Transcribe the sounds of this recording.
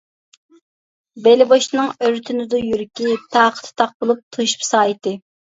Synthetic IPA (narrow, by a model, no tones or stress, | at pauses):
belɪboʃnɨŋøɾt̪ʰynɪd̪ujyɾkʲit̪ʰɑːqʰə̥t̪ʰɨ̥t̪ʰɑq̚bolˠup̚t̪ʰuʃpsɑːjt̪ɨ